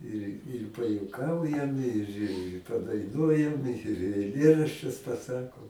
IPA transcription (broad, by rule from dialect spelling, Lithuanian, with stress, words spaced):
ɪr ɪr pɐjuɔˈkɐʊjɛm ɪr ɪ pɐdɐɪˈnuɔjɛm ɪr ɛɪˈlʲeːrɐʃʲt͡ʃʲʊs pɐˈsɑːkoːm